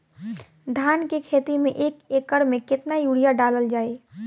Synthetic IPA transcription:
d̪ʱaːnkekʰeːt̪imẽʔeːkeːkəɽmẽkɪt̪najuːɽijaɖaːləld͡ʒaːe

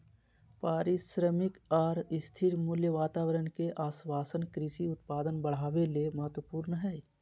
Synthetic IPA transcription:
paːɾɪʃɾəmɪkaːɾɪst̪ʰɪɾmʊljəʋaːt̪aːwəɾənkeʔaːswaːsənkɾɪsiʊt̪paːd̪ənbəɽ̤aːʋeleməɦət̪wəpuːɾnəɦɛː

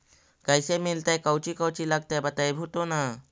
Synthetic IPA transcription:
kajsemilt̪ajkawt͡ɕiːkawt͡ɕiːlaɡ̚t̪ajbət̪ajbʱut̪ona

